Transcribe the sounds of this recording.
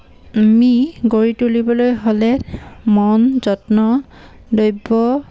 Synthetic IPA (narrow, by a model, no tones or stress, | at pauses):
miɡoɹitulibɔlojɦolɛmɔnzɔtnɔdojbɔ